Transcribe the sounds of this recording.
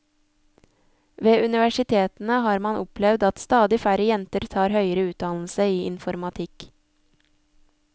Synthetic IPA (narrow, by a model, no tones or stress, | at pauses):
ʋeːʔʉnɪʋæʃɪt̪ʰeːt̪n̩əhɑːɾmɑnʔʊplɛʋd̪ɑt̪st̪ɑːd̪ɪfæɾəjɛnt̪əɾt̪ʰɑːɾhœʏəɾəʉːt̪̚d̪ɑnl̩səiːʔɪ̰nfɔɾmɑt̪ʰɪk